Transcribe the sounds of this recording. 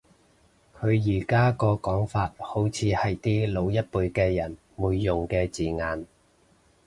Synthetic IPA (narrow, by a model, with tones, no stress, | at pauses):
kʰɵ˨˧ɥjiː˨˩kaː˥kɔː˧kɔː˨˥ŋfaː˧t̚ho˨˥wt͡sʰiː˨˧hɐ˨jt̪iː˥lo˨˧wjɐ˥t̚puː˧jkɛː˧jɐ˨˩n | muː˨˧jːʊ˨˩ŋkɛː˧t͡siː˨ŋaː˨˧n